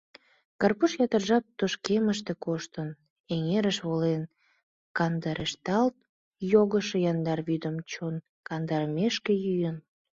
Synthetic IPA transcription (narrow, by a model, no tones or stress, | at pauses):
kɑrpuʃjɑt̪ərʒɑp̚t̪oʃkeməʃt̪ekoʃt̪ən | eŋeɾəʃβolen | kɑnd̪ɑɾʔeʃt̪ɑlt̪̚ | joɣəʃejɑnd̪ɑrβyd̪əmt͡ɕon | kɑnd̪ɑɾəmeʃkejyjən